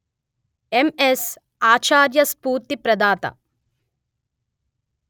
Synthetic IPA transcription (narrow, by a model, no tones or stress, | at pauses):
emes | aːt͡ʃaːɾjɐspuːɾt̪ipɾɐd̪aːt̪ɐ̰